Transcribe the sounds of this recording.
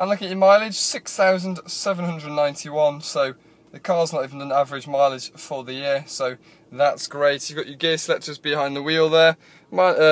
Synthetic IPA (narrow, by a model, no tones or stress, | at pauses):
ãɪ̃mlʊkɪŋət͡ʃəmaɪlˠɪd̥ʒ̥sɪksθaʊzə̃nd̥sɛvə̃nɦʌ̃ndɹədⁿnːãɪ̃ntʰiwʌ̃nsoʊ | ðəkʰɑːznətiːvə̃ndə̃navəɹɪd͡ʒmaɪlˠɪ̥ʒ̥fəðəjɪəsoʊ | ðatsɡ̥ɹeɪtjəvɡɒt͡ʃəɡɛslɛtsd̥ʒəzb̥ɪhãɪ̃nðəwiːlˠðə | maɪ